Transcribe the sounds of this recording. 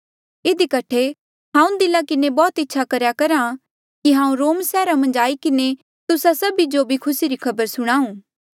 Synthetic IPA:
ɪd̪ikɐʈʰe | ɦãːũd̪ɪlakɪnebɔːt̪ɪtːʃʰakɐɾjakɐɾa | kiɦãːũɾoːmsɛːɾamɐ̃nd͡ʒaːikɪne | t̪ʊsasɐbid͡ʒobʱikʰʊsiɾikʰɐbəɾsʊɽ̃aːũː

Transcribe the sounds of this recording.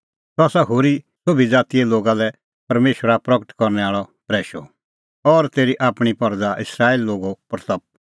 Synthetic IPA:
sɔaːsaɦoːɾi | sʊbʱid͡zaːt̪ijɛloːɡalɛ | pɐɾmeːʃwəɾapɾɐɡəʈkɔɾnɛaːɭɔt̪ɾɛːʃɔ̰ | ɔɾt̪eːɾiʔaːpɽ̃ipɐɾd͡zaʔɪsɾaːilːoːɡopɐɾt̪ɐp̚

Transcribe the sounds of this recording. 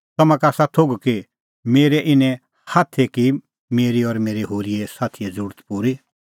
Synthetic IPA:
t̪ɐmãkaːsat̪ʰoɡki | meːɾɛʔɪnɛ̃ | haːt̪ʰeki | meːɾiɔɾmeːɾeɦoːɾiesaːt̪ʰijɛd͡zuːɾt̪puːɾi

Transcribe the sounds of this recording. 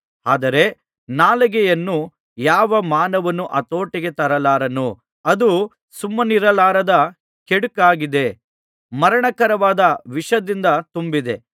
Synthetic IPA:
aːd̪ɐɾe̞ | naːlɐɡɛjɐnːu | jaːʋɐmaːnɐʋɐnːuʔɐt̪o̞ːʈiɡe̞t̪ɐɾɐlaːɾɐnu | ɐd̪u | sumːɐniɾɐlaːɾɐd̪ɐ | keɽukaːɡid̪e̞ | mɐɾɐɳɐkɐɾɐʋaːd̪ɐʋiʂɐd̪ind̪ɐt̪umbid̪e̞

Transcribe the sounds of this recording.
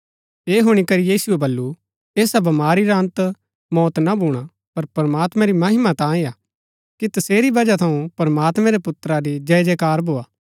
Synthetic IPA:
eːɦoːɽ̃ikɐɾijiːsuebɐlːu | eːsabɐmaːɾiɾant̪ | mɔːt̪nabʱuːɽ̃a | pɐɾpɐɾɐmaːt̪mãɾimɐɦɪmat̪ãːejaː | kit̪ɐseːɾibɐd͡ʒat̪ʰɐũpɐɾɐmaːt̪mɛ̃ɾepʊt̪ɾaɾid͡ʒɛːd͡ʒekaːɾbʱoːaː

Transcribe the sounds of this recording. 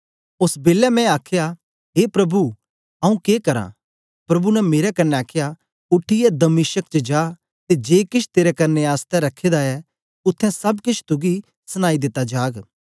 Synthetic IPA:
ʊsbeːlɛmɛ̃aːkʰːja | ɦeːpɾɐbu | ɐũkeːkɐɾã̰ | pɾɐbunɛmeːɾɛkɐnːeaːkʰeja | ʊʈʰːiɛd̪ɐmɪʃək̚t͡ʃəd͡ʒaː | t̪ed͡ʒeːkɪt͡ʃʰt̪eːɾɛkɐɾneaːst̪ɛɾɐkʰːeːd̪aɛ | ʊt̪ʰːɛ̃sɐbkɪt͡ʃʰt̪ʊɡi | sɐñaːid̪ɪt̪ːad͡ʒaːɡ

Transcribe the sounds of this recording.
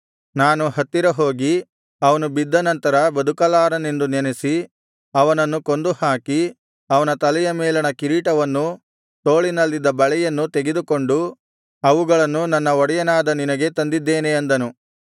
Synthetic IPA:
naːnuɦɐt̪ːiɾɐɦo̞ːɡi | ɐʋɐnubid̪ːɐnɐnt̪ɐɾɐbɐd̪ʱukɐlaːɾɐne̞nd̪unɛnesi | ɐʋɐnɐnːuko̞nd̪uhaːki | ɐʋɐnɐt̪ɐlɛjɐmɛːlɐnɐkiɾiːʈɐʋɐnːu | t̪o̞ːɭinɐlːid̪ːɐbɐɭɛjɐnːut̪eɡe̞d̪ukoɳɖu | ɐʋuɡɐɭɐnːunɐnːɐɔɽɛjɐnaːd̪ɐninɐɡe̞t̪ɐnd̪id̪ːeːneɐnd̪ɐnu

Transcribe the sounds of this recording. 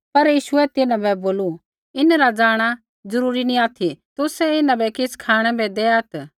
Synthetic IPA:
pɐɾjiːʃʊɛt̪ɪnãbɛboːlu | ɪnɾad͡zaːɽ̃a | zɐɾuːɾinĩaːt̪ʰit̪ʊsɛɪnãbɛkɪskʰaːɽ̃ɛ̃bɛd̪eːɐt̪

